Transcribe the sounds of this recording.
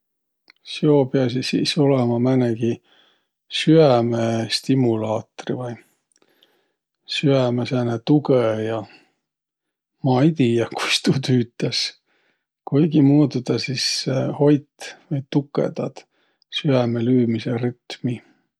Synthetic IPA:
siopeɑs̬isḭso̞lemɑmæneɡ̥i | syæmest̪imulɑːt̪rivɑj | syæmesænet̪uɡejɑ | mɑjt̪ijɑku̥st̪ut̪yːt̪ːˑes | kujɡimuːt̪ud̪̥ɑsisːeho̞jt̪vɤjt̪ukːˑḛd̪̥ɑd̪̥ | syæmelyːmiseryt̪mi

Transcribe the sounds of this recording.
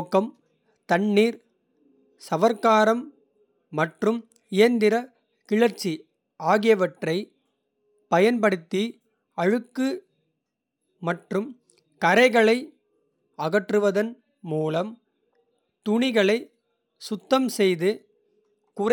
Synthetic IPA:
kːɐm | t̪ɐɳːiːɾ | sɐʋɐɾkːaːɾɐmː | ɐʈrɯm | ɪjɐnd̪ɪɾɐ | kɪɻɐɾt͡ʃːi | aːɣɪjɐʋɐʈrɐɪ | pɐjɐnpɐɽɯt̪ːi | ɐɻɯkːɯ | mɐʈrɯm | kɐɾɐɪɣɐɭɐɪ | ɐɣɐʈrɯʋɐðɐn | muːlɐm | t̪ʊɳɪɣɐɭɐɪ | sʊt̪ːɐmsɛjðɯ | kʊɾ

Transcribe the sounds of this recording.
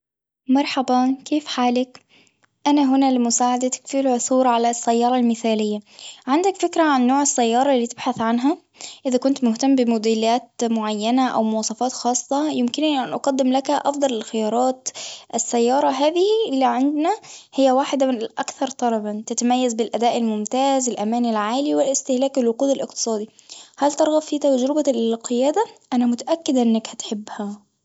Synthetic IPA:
mɑɾˤħabankeːfħaːlak | ʔanaɦʊnalɪmʊsaːʕad̪at̪ḁkfilʕʊθuːɾʕalasːajːɑːɾˤɑlmɪθaːlɪjːaʕɪnd̪akfɪkɾaʕanːoːʕɪsːajːɑːɾˤɑlːiːt̪ɪb̥ħaθʕanɦa | ʔɪðakʊnt̪mʊht̪amːbɪmʊd̪ilaːt̪̚mʊʕajːanaʔa̰wmʊwɑːsˤɑfɑːt̪xɑːsˤːɑjɪmkɪniʔanʔɑqɑd̪ːɪmlakhaʔɑfd̪ˤɑlɪlxɪjɑːɾˤɑːt̪ʔɪsːæjːɑːɾˤɑɦaːðɪhilːiʕand̪næhɪjːæwaːħɪd̪amɪnlʔækθɑɾˤt̪ˤɑlɑbɑnt̪ɪt̪amæjːazbɪlʔæd̪aːʔɪlmʊmt̪aːzɪlʔæmæːnɪlʕaːliwɪlɪst̪ɪhlæːkɪlwɑquːd̪ɪlʔɪq̚t̪ɨ̥sˤɑːd̪ihælt̪ɑɾˤɣɑbfiːt̪æwd͡ʒɾɪbaqʰɨjæːd̪aʔænæmʊt̪aʔækːɪd̪ʔɪnːækhæt̪ħɪbːhæ

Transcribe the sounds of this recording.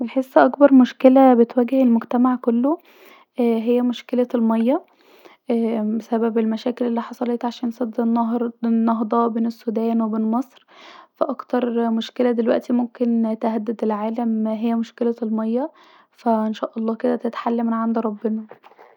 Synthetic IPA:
elħesːʔɑkbɑɾˤmoʃkelæbet̪wæːɡehelmoɡt̪æmaʕkolːo | ɦejːæmoʃkelælmɑjːɑ | besæbæbelmæʃæːkelelːiːħɑsˤɑlet̪ʕaʃæːnsˤɑd̪ːenːɑɾnːɑɦd̪ˤɑbeːnesːud̪æːnwebeːnmɑsˤɾfæʔɑkt̪ɑɾˤmoʃkelæd̪elwæ̰ʔt̪imomkent̪eɦæd̪ːed̪elʕaːlæmɦejːæmoʃkelælmɑjːɑ | fæʔenʃæːʔɑlˤːɑːked̪æt̪et̪ħalːæmnʕand̪ɾˤɑbːenɑ

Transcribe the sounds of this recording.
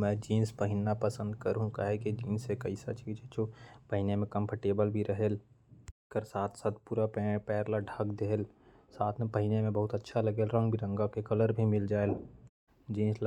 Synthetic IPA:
mɛ̃ːd͡ʒiːnspəɦɪnːapəsə̃nd̪kəɾɦũka̰ɦekid͡ʒiːnsekɐɪsa̰t͡ʃʰkit͡ʃʰet͡ʃʰopəɦɪnemẽkə̃mpʰəɾʈeːbəlbʱiɾəɦeːl | kəɾsaːt̪ʰsaːt̪̚ʰpuːɾapːpɛːɾlaɖʱaɡd̪eɦl | saːt̪ʰmẽpəɦɪnemẽbəɦʊt̪ətːʃʰalɐɡeːlɾə̃ŋɡbʱiɾə̃ŋɡakekɐləɾbʱimɪld͡ʒaːel | d͡ʒĩːnsl

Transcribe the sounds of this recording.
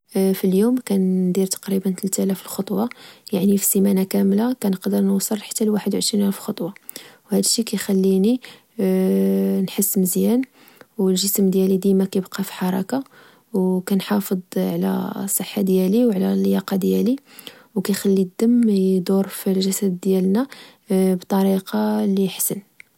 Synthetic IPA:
filjumkænd̪iɾt̪ɑ̥qɾibənt̪əlt̪ælæfəlxɑt̪ˤwɑjaʕnifisimænakæmlakænəqd̪əɾˤnwsˤːəlħə̥t̪ːælwaħəd̪wʕəʃɾinʔælfxɑt̪ˤwɑwhæd̪əʃːikæjxælːini | nħəsːməzjæn | wəlʒəsmd̪jælid̪imækæjbqɑfi̥ħɑɾˤɑka | wkænħɑfəd̪ˤʕlæ̰sˤəħːad̪jæliwʕlæljɑqɑd̪jæli | wkæjxælːid̪ːəmːd̪uɾfilʒæsæd̪ːjælnæ | bt̪ˤɑɾiqɑliħsən

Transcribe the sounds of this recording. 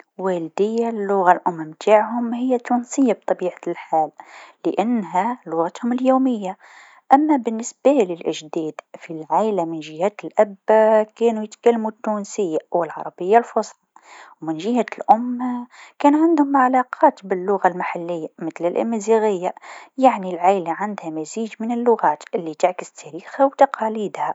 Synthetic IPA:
wæːld̪ɪjːalːʊɣalʔʊmːamt̪ʰaːʕhʊmhɪjːat̪ːunsɪjːab̚t̪ˤɑbiːʕalħaːlːɪʔanːɦalʊɣat̪hʊmɪljoːmɪjːa | ʔamːabɪnːɪsbalɪlʔɪʒd̪iːd̪filʕalamɪnʒɪhæːt̪ɪlʔæbkæːnujɪt̪kælːmut̪ːuːnsɪjːawɪlʕɑ̰ɾˤɑbɪjːalfʊsˤlɑ | wmɪnʒɪhalʔʊmːakæːnʕand̪hʊmʕalɑːqʰɑːt̪bɪlːʊɣalmaħalːɪjːamɪt̪lɪlʔɪ̰mːɪziɣɪjːajaʕnilʕajlaʕand̪hamaziːd͡ʒmɪnɪlːʊɣaːt̪ʔɪlːit̪ɪʕkɪst̪ʰæɾiːxhawt̪ɑqʰɑːliːd̪ha

